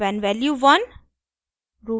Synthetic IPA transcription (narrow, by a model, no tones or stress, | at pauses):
ʋɛnʋɛljuʋʌn | ɾuː